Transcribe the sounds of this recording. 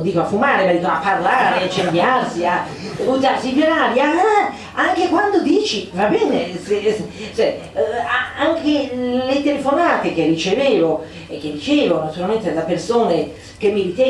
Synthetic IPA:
d̪iːkoafumaːɾemad̪iːkoapːarlaːɾeat͡ʃːenb̪jarsia | uzaɾsivjoɾaːɾia | aŋkekwand̪od̪iːt͡ʃivabɛːneset͡ʃɛ | aaŋkelet̪elefonaːt̪ek̟erːit͡ʃeveːvo | ekːed̪ːit͡ʃeːvonat̪uɾalment̪edlapersoːne | k̟emːirit̪ɛ

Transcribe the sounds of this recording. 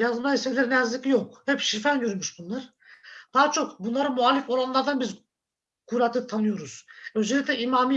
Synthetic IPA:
jazmiselʲæɾinɛjazlʲicijokhɛpʃifænɟøɾymyʃbunlˠaɾ̥ | d̪̥aːat͡ʃʰo̞kbunlˠaɾɯmualʲːifo̞ɾanlˠaɾd̪anbiz | kʰuɾat̪ɯt̪ʰanɯjo̞ɾuz̥øzelʲict̪ʲlʲɛimaːmi

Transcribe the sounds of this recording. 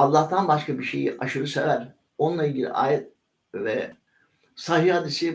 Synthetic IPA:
ɑlˠːaht̪ʰanbaʃkabiʃḛjiʔaʃɯɾɯsevæɾ | o̞nunˠailʲɟilʲḭʔa̰ːjɛt̪̚ | vɛ | saɦihad̪isi

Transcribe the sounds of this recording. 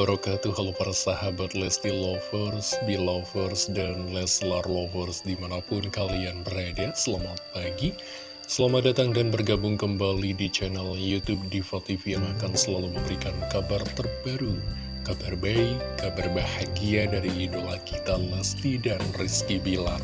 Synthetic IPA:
baɾokat̪uɦalopaɾasahabat̪̚lɛst̪ilofərsdilofərsdanlɛslarlofərsdimanapʊnkalianbəɾadasəlamat̪̚paɡi | səlamadat̪aŋdanbərɡabʊŋkəmbalidit͡ʃɛnaljut̪ub̚difat̪ifiaŋakansəlaluməmbəɾikankabart̪ərbaɾu | kabarbaikːabarbahaɡiadaɾiːdolakit̪alɛst̪idanriskibilar

